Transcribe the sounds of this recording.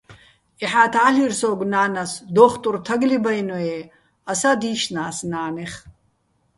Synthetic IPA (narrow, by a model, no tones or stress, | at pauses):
ɛħaːt̪ʰʕaɬirsɔːɡʷnaːnasd̪ɔːχt̪ʼuɾt̪ʰaɡlibajnɔɛ | asad̪iːʃnaːsnaːnɛχ